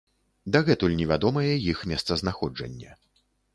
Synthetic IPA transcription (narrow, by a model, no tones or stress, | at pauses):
d̪ɐɣɛt̪ulʲnʲɛvʲad̪ɔmɐjɛjixmʲɛst̪sɐznaxɔd͡ʐɐ̰nʲːɐ̰